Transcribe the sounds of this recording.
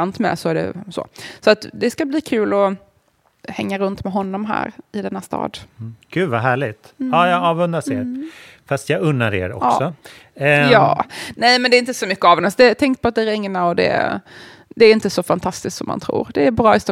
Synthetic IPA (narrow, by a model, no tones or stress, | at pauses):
ant̪mɛ̰sɔæɖɛ̰so̰ːsɔat̪d̪ɛskabliːkʰʉ̟ːlɔ | hɛŋːaɾɵnt̪mɛɦɔnːɔmɦæ̰ːɾɪd̪ɛnːast̪ɑ̰ːd̪ɡ̥ʉ̟ːvaɦæːɭɪt̪ɑːjɑɡɑːvɵnd̪aseːɾfast̪jɑɡɵnːaɾḛːɾɔ̰ksɔ | jɑ̰ːnɛjmɛnd̪ɛːɪnt̪əsɔmʏkːəavɛnasd̪ɛt̪ʰɛŋk̚pʰɔat̪̚d̪ɛɾɛŋːnaɔd̪ɛ̰ | d̪ɛːɾɪnt̪əsɔfant̪ʰast̪ɪsk̪sɔmːa̰nt̪ʰɾṵːɾd̪ɛːɾbɾɑːɪst̪ɔ